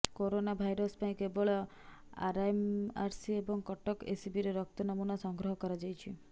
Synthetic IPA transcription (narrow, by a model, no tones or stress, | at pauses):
koɾonabʱajɾɔspãĩkeboɭɔ | a̰ɾaemaɾsiebɔŋkɔʈɔkesibiɾeɾɔk̚t̪ɔnɔmunɔsɔŋɡɾɔɦɔkɔɾad͡ʒajt͡ʃʰi